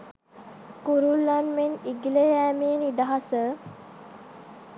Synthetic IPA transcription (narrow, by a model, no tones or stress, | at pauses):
kuɾulːanmeniɡilejæːmenid̪aɦasə